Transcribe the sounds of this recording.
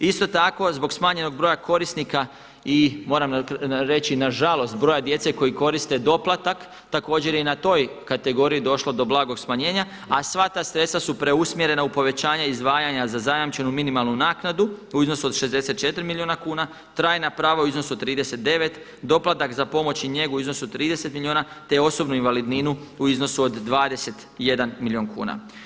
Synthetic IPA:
ist̪o̞t̪ako̞zbo̞ɡsmaːɲe̞no̞ɡ̚bɾo̞jakʰo̞ɾisnika | imo̞ːɾamɾe̞t͡ɕinaʒalˠo̞st̪̚bɾojad̪je̞t̪se̞ko̞jiko̞ɾist̪e̞d̪o̞plˠat̪ak | t̪ako̞ːd͡ʑe̞ɾjeinat̪o̞jkat̪e̞ɡo̞ɾijid̪o̞ʃlo̞d̪o̞blˠaːɡo̞ɡsmaɲe̞ːɲa | asʋat̪aːsɾet̪st̪ʋasupɾe̞usmje̞ɾe̞naupo̞ʋe̞t͡ɕaːɲaizd̪ʋaːjaɲazazajamt͡ʃe̞numinimalˠnunaːknad̪uuizno̞suod̪ʃe̞zd̪e̞set̪t͡ʃe̞t̪ɾimilioːnakuːna | t̪ɾaːjnapɾaːʋauizno̞suod̪t̪ːɾiːd̪ese̞t̪̚d̪e̞ʋe̞t̪ | d̪o̞plˠat̪akzapo̞mo̞t͡ɕiɲe̞ɡuizno̞suot̪ɾiːd̪e̞se̞t̪milʲioːna | t̪eo̞so̞bnuinʋalid̪ninuuizno̞suod̪ːʋaːd̪e̞se̞t̪je̞d̪anmilioːnkʰṵːna̰

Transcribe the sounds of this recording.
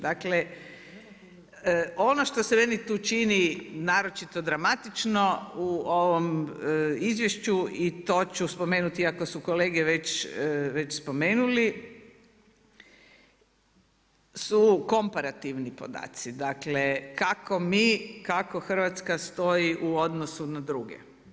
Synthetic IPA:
d̪akle | o̞noʃt̪o̞semenit̪uːt͡ʃininaːɾo̞t͡ʃit̪o̞d̪ɾamat̪it͡ʃnouoʋom | izʋjeʃt͡ɕuit̪o̞ːt͡ɕuspo̞meːnut̪iakosukoleːɡeʋet͡ɕʋet͡ɕspo̞me̞ːnuli | suko̞mpaɾat̪iʋnipo̞̰d̪a̰ːt̪sid̪aklekakomikako̞xr̩ʋat̪skast̪o̞jiʔuo̞d̪nosunad̪ɾuɡḛ

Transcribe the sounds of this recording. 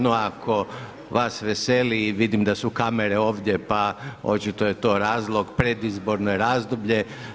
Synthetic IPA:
noakʰo̞ | ʋasʋeseliːʋid̪imd̪asukameɾe̞o̞ːʋd̪ʲje̞pao̞̰t͡ʃit̪o̞je̞t̪o̞ːɾaːzlˠo̞ɡpɾed̪izbo̞ɾnojeɾaːzd̪obʎe̞

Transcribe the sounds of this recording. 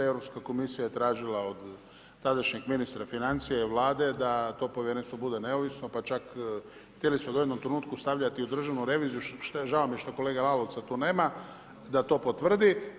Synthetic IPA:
evɾopskako̞misijajet̪ɾaːʒilao̞d̪ | t̪ad̪aʃɲiɡminist̪ɾafinant̪sijaiʋlˠaːd̪e̞d̪at̪o̞ːpojeɾenst̪ʋo̞bud̪e̞ne̞oʋisno̞pat͡ʃak | xt̪jeliseod̪ojed̪no̞mt̪ɾenuːt̪̚kust̪aʋʎat̪iud̪r̩ʒaʋnuɾe̞ʋiːzijuʃʒaomieʃt̪o̞ko̞leːɡalalo̞ʋt̪sat̪uːne̞ːma | d̪at̪o̞ːpo̞t̪ʋr̩d̪i

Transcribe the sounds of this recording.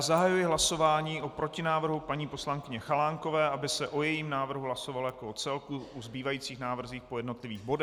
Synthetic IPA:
zaɦajujɪɦlaso̞vaːɲiːʔopɾo̞cɪnaːvr̩ɦupaɲiːpo̞slaŋkɪɲɛxalaːŋko̞vɛːʔabɪsɛʔojɛjiːmnaːvr̩ɦuɦlaso̞valojakoot͡sɛlkuuzbiːvajiːt͡siːxnaːvr̩ziːxpojɛdno̞t̪lɪviːɣbo̞dɛ

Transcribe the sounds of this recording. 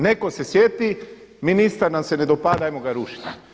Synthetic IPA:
neko̞sesjet̪iminist̪aɾnamse̞ned̪opaːd̪ajmoɡaɾuːʃi̥t̪e

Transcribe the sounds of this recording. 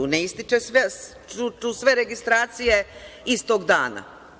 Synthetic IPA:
uneist̪it͡ʃesʋe | ut͡ʃusʋe̞ɾeɡist̪ɾaːt̪sije̞ist̪o̞ɡd̪aːna̰

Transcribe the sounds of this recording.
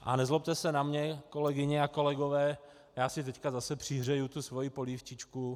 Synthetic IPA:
ʔa̰nɛzlop̚t̪ɛsɛnamɲɛko̞lɛɡɪɲɛako̞lɛɡovɛː | jaːsɪt̪ɛckazasɛpr̝̥ɪɦr̝ɛjut̪usvo̞jipoliːft͡ʃɪt͡ʃku

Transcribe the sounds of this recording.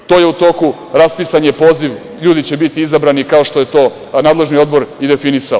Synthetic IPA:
t̪o̞ːjeut̪oku | ɾaspisaɲepo̞ːziʋ | ʎuːd̪it͡ɕe̞bit̪iizabɾanikao̞ʃt̪oje̞t̪o̞ː | naːd̪le̞ʒnio̞d̪bo̞ɾid̪e̞finisao

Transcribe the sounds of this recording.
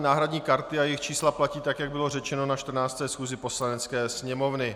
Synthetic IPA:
naːɦɾadɲiːkaɾt̪ɪajɪxt͡ʃiːslaplaciːt̪akjaɡ̚bɪlo̞rɛt͡ʃɛno̞naʃt̪r̩naːt͡st̪ɛːsxuːzɪpo̞slanɛt͡skɛːsɲɛmo̞vnɪ

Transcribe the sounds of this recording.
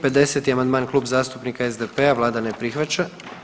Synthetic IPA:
pe̞d̪e̞set̪iamand̪maːnkluːbzaːst̪upnikaezd̪epeaʋlˠaːd̪anepɾixʋat͡ʃa

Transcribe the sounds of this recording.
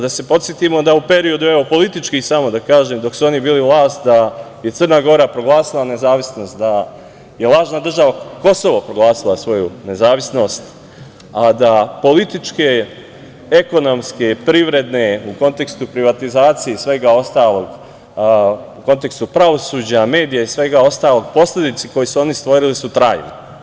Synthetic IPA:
ad̪ase̞po̞t̪sjet̪imo̞d̪aupe̞ɾio̞d̪ue̞ʋo̞po̞lit̪it͡ʃkisamo̞d̪akaːʒeːmd̪o̞ksuo̞nibiːliʋlˠaːst̪d̪a | je̞t̪sərnaɡo̞ɾapɾo̞ɡlˠaːsilˠane̞zaːʋisno̞ːst̪̚d̪a | je̞lˠaːʒnad̪r̩ʒaʋako̞so̞ʋopɾoɡlˠaːsilˠasʋo̞june̞zaːʋisno̞ːst̪ | ad̪apo̞lit̪it͡ʃke | eko̞no̞mske̞pɾiʋɾe̞d̪ne̞uko̞nt̪e̞kst̪upɾiʋat̪izaːt̪sijesʋe̞ɡao̞st̪aːlo̞ɡ | uko̞nt̪e̞kst̪upɾaʋo̞suːd͡ʑame̞ːd̪ijaisʋe̞ɡao̞st̪aːlˠo̞ɡ̚po̞sle̞d̪it̪siko̞jisuo̞nist̪ʋo̞ɾilisut̪ɾaːjno

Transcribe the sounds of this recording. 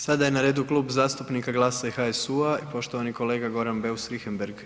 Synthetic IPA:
sad̪aje̞naɾeːd̪uklˠuːbzaːst̪upnikaɡlˠaːsaxaesuaipo̞ʃt̪o̞ʋaniko̞le̞ːɡaɡo̞ɾanbe̞usɾixembeɾɡ

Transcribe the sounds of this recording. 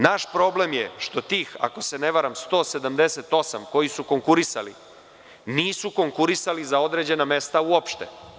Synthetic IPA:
naʃpɾo̞ble̞mjḛʃt̪o̞t̪iːxa̰ko̞se̞ne̞ʋaɾamst̪o̞ːse̞d̪amd̪e̞set̪o̞samko̞jisuko̞ŋkuɾisa̰li | niːsuko̞ŋkuɾisalizao̞d̪ɾe̞ːd͡ʑe̞name̞st̪auopʃt̪ḛ

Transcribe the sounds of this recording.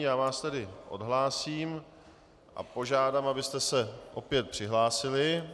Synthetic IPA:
jaːvaːst̪ɛdɪʔo̞̰dɦlaːsiːm | ʔa̰po̞ʒaːdamabɪst̪ɛsɛʔo̞pjɛt̪̚pr̥ɪɦlaːsɪlɪ

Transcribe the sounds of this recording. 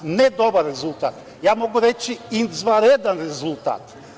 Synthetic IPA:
nɛd̪ɔbaɾːɛzulˠt̪at̪ | jamɔɡuɾɛt͡ʃiinzvaɾɛd̪ɛnɾɛzulˠt̪a̰t̪

